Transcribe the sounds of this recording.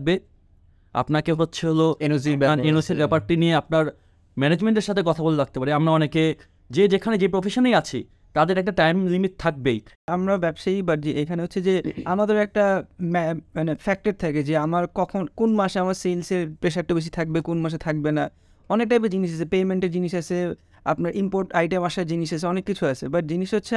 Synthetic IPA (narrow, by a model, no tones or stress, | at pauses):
k̚be | a̰pnakeɦotːɕʰeɦoloenod͡ʑibɛninoselbɛpaɾʈinieapnaɾ | mɛned͡ʑmeɳʈeɾʃat̪ʰek̬ɔt̪ʰaboleɾak̚t̪epaɾiamɾaɔneke | d͡ʑed͡ʑekʰaned͡ʑepɾofeʃonejat͡ɕʰi | t̪ad̪eɾɛk̚ʈaʈajmlimit̪̚t̪ʰak̚bejamɾabɛbʃajbaɾd͡ʑiejkʰaneotːɕʰed͡ʑeamad̪eɾɛk̚ʈammanefɛk̚ʈeɾt̪ʰaked͡ʑeamaɾkɔkʰonkonmaʃeamaɾselseɾpɾeʃɛk̚ʈobeʃ̬it̪ʰak̚bekonmaʃ̬et̪ʰak̚bena | ɔnek̚ʈajbad͡ʑiniʃ̬at͡ɕʰepejmeɳʈeɾd͡ʑiniʃat͡ɕʰe | a̰pnaɾimpoɾʈajʈemaʃaɾd͡ʑiniʃat͡ɕʰeɔnekːit͡ɕʰuat͡ɕʰebaʈ̚d͡ʑiniʃɦotːɕʰe